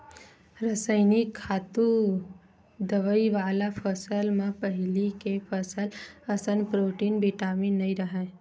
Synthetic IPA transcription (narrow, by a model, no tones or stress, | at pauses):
ɾəsəjnikʰːaːt̪u | d̪əʋəiʋaːlapʰəsəlmãpəɦɪlikepʰəsələsənpɾoːʈiːnbiʈaːminəiɾəɦa